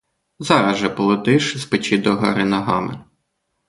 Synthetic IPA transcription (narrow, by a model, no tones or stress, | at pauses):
zɑɾɐʒɛpɔlˠɔt̪ɪʃɪspɪt͡ʃɪd̪ɔɦɐ̰ɾɪnɐɦɑmɪ̰